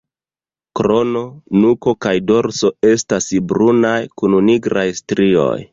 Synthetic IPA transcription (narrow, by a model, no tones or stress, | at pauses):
kɾo̞no̞nuko̞kajdo̞ɾso̞e̞stasbɾunajkununiɡɾajstɾio̞̰j